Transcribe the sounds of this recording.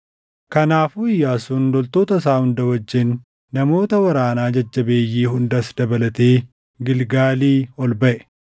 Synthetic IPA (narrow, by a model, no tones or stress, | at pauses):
kɐnaːfuːɪjːaːsuːnlɔlt̪oːt̪ɐs̬aːhʊnd̪ɐwɐd͡ʒːɪnː | ɐmo̞ːt̪ɐwɐɾaːnaːd͡ʒɐd͡ʒːɐbe̞ːjːiːhʊnd̪ɐsd̪ɐbɐlɐt̪eː | ɡɪlɡaːliːɔlbɐʔɛ